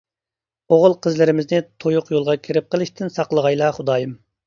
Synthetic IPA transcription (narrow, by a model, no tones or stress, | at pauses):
oʁʊlˠqʰəzlɪɾɪmɪznɪt̪ʰojʊqjolˠʁɑkʲʰiɾɪp̚qəlˠɨʃt̪ʰɪnsɑqlˠəʁɑjlˠɑχʊd̪ɑːjɨm